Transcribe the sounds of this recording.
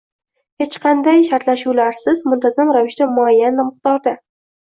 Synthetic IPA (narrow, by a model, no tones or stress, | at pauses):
he̞t͡ʃqʰɑnd̪ajʃaɾt̪laʃuwlaɾsɪzmʊnt̪ʰazamɾavɪʃt̪amʊajːanːamɨχt̪ɒɾd̪a